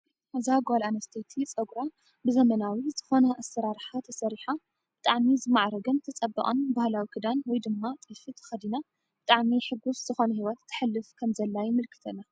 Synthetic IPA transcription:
azaɡalanɐst̪ʰet̪ʰit͡sʼɐɡɾa | bɨzɐmɐnawizɨxo̞nɐʔasɐɾaɾħat̪ʰɐsɐɾiħa | b̥ɨt̪ʼaʕmizɨmaʕɾɐɡɐnt̪ʰɐt͡sʼɐbːɐ̰ʔʼɐnbahlawikʰɨd̪anwɔjd̪ɨmːat̪ʼɨfɨt̪ʰɐ̥xɐd̪ina | bɨt̪ʼaʕmiħɨɡuszɨxo̞nɐhiwɐt̪ʰːɨ̥ħɨlːɨfkʰɐmzɐlːajɪmɨlkʰɨ̥t̪ʰɐna

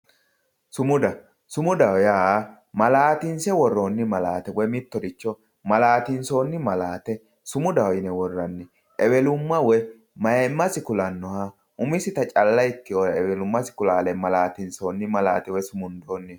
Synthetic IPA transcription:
sʊmʊd̪ɐ | sʊmʊd̪ɐwɔjaː | mɐlaːt̪ɪnsɛwɔrːoːnːɪmɐla̰ːt̪ɛwɔjmɪt̪ːɔd̪ɪt͡ʃːɔ | mɐlaːt̪ɪnso̞ːnːɪmɐlaːt̪ɛ | sʊmʊd̪ɐwɔjɪnɛwɔrːɐnːɪ | ʔɛbɛlʊmːɐwɔj | mɐjɛmːɐsɪkʊlɐnːɔha | ʔʊmɪsɪt̪ɐt͡ʃʼɐlːɐjkːɪojɛbɛlʊmːɐsɪ̥kʊlaːlɛmɐlaːt̪ɪnso̞ːnːɪmɐlaːt̪ɛwɔjsʊmʊnd̪oːnːɪ

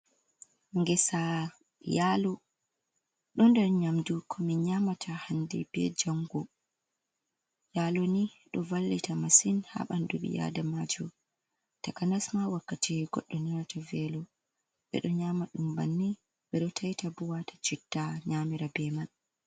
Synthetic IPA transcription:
ŋɡɛsa | jalɔ | ɗɔndɛrɲamdukʰɔmiɲamatʰahandɛb̥ɛ̰d͡ʒaŋɡɔ | jalɔniɗɔvalːitamasinha̰ɓanduɓḭja̰damad͡ʒɔ | takanasmawakːatʰiɡɔ̰ɗːɔniatavɛlɔ | ɓɛ̰ɗɔɲamaɗumba̰nːi | ɓɛɗɔtʰajtabuwatḁt͡ʃitːaɲamiɾabɛman

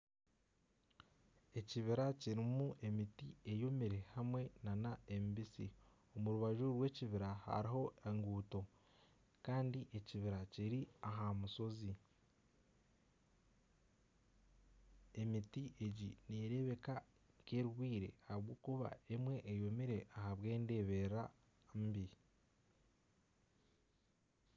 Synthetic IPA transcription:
e̞ciβiɾaciɾimuʔe̞mitie̞jo̞miɾe̞hamwe̞nanae̞mibisi | o̞muɾuβaʒuɾwe̞ːciβiɾaha̰ɾiɦo̞eŋɡuːto̞ | kaːndiʔe̞ciβiɾaciɾiaɦamuso̞zi | e̞mitiʔe̞ɟiniɾe̞βe̞ka | ke̞ɾuɡwiːɾe̞̰haβɡoːkuβa̰e̞mwe̞ʔːjo̞miɾe̞ʔaɦaβwe̞ːnde̞ːβe̞ɾa | mbi

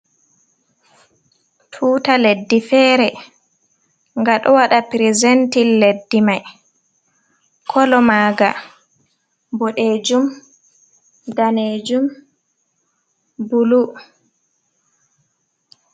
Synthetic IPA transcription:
tʰuːtaledːifɛːɾɛ | ŋɡaɗɔwaɗapɾizentilːedːimaj | kʰɔlɔmaːɡa̰ | bɔɗeːd͡ʒum | daned͡ʒum | bulu

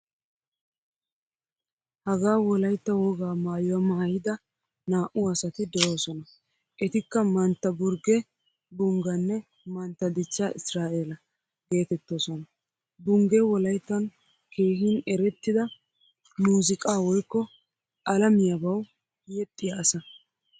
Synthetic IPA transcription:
hɐɡaːwɔlɐjt̪ːɐwɔɡaːmaːjɔwɐmːɐhɐjɪd̪ɐ | naːʔʊɐsɐt̪ɪd̪ɛʔoːsɔnɐ | ʔɛt̪ɪkːɐmɐnt̪ːɐbʊɾɡɛ | bʊŋɡɐnːɛ | mɐnt̪ːɐd̪ɪt͡ʃːaʔɪsɾaːʔelɐ | ɡe̞ːt̪ɛt̪ːoːsɔnɐ | bʊŋɡɛwɔlɐjt̪ːɐn | ke̞ːhɪnɛɾɛt̪ːɪd̪ɐ | muːzɪkʼaːwɔjkːɔ | ʔɐlɐmɪjɐbɐw | jɛt̪ʼːɪjaːsɐ

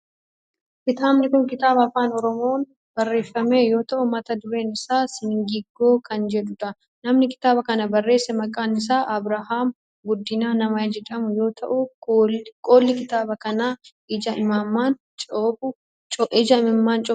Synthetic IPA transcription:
kɪt̪aːbnɪkʊŋkɪt̪aːbɐɐfaːnɔɾɔmo̞ːn | bɐrːe̞ːfːɐme̞ːjo̞ːt̪ɐʔʊmɐt̪ɐd̪ʊɾe̞ːnɪsaːsɪnɪŋɡɪɡːo̞ːkɐnd͡ʒɛᶑ̪ʊt̪ɐ | nɐmnɪkɪ̥t̪aːbɐkɐnɐbɐrːe̞ːsːɛmɐkʼaːnɪs̬aːʔɐbɾɐɦaːm | ɡʊd̪ːɪnaːnɐmɐd͡ʒɛd̪ɐmʊjo̞ːt̪ʰɐʔʊ | kʼoːlːɪkɪt̪aːbɐkɐnaː | ɪd͡ʒɐɪmaːmːaːn | t͡ʃʼoːbʊ | t͡ʃʼʔɪd͡ʒɐɪmɪmːaːnt͡ʃʼɔ

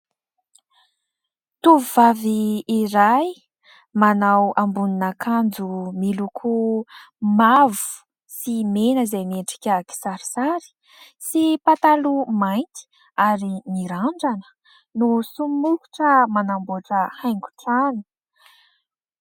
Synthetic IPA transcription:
t̪uvuvaviːɾaj | manawambuninakʰand͡zumilukʰu | mavu̥ | simenəzajmeɳʈ͡ʂi̥kʲaki̥saɾi̥saɾi̥ | sipat̪alumajnt̪i̥ | aɾimiɾaɳɖ͡ʐanə̥ | nusummuku̥ʈ͡ʂəmanamboʈ͡ʂəhajŋɡu̥ʈ͡ʂanu̥

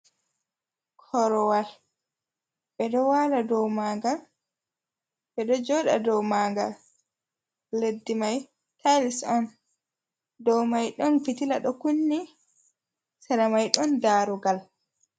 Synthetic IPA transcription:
kʰɔɾɔwal | ɓɛɗɔwaːladɔwmaːŋɡal | ɓɛɗɔd͡ʒɔːɗa̰dɔwmaːŋɡa̰l | ledːimaj | tʰalisɔn | dɔwmajɗɔnfitilaɗɔkunːi | saɾamajɗɔndaːɾuɡal

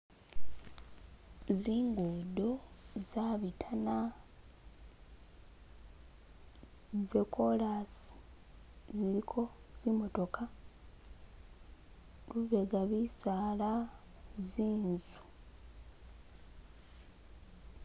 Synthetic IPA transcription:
ziːŋɡuːdo̞zaβitʰana | zekʰo̞lasi̥ | ziɾikʰo̞z̥imo̞to̞ka | luβe̞ɡaβisaːla | ziːnzu̥

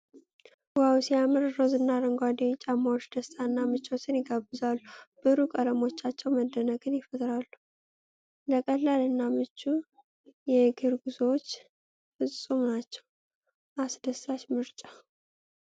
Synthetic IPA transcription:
wawsiamɨɾɾozɨnːaɾəŋɡʷad̪et͡ʃʼamːawot͡ʃːd̪̥əst̪ʼaɨnːamɨt͡ʃʼːwot͡ʃːɪnjɪɡabɨzalːub̥ɨɾukʼələmo̞t͡ʃːat͡ʃːɛwməd̪ːənəɡɨnjɪfət̪ʼɾalːu | ləkʼəlːalɨnːamɨt͡ʃːu | jɛɡɨɾɡuzwot͡ʃː | fɨsʼːumnat͡ʃːɛw | ʔasd̪əst̪at͡ʃmɨɾt͡ʃʼa

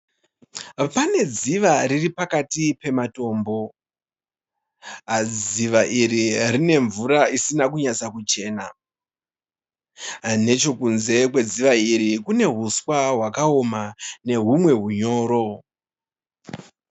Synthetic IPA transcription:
pane̞d͡ziʋaɾiripakatipe̞mato̞ːmbo̞ | ad͡ziʋaʔiririne̞ɱvuɾaisinakuɲat͡sakut͡ʃe̞ːna | ane̞t͡ʃo̞kunze̞kwe̞d͡ziʋaiɾikune̞ɦuswaɦwakaomane̞ɦumwe̞ɦuɲo̞ːɾo̞

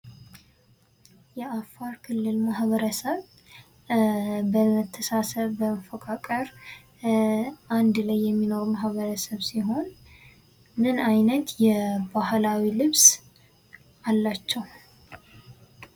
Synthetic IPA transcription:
jɛʔafːaɾkʰɨlːɨlmahβəɾəsəβ | bəmət̪ʰːəsasəβbəməfəkʼʰakʼəɾ | and̪lajːɛmːino̞ɾmaɦβəɾəsəβsiɦo̞n | mɨnajnət̪jɛbahlawilɨβs | ʔalːat͡ʃːɛw

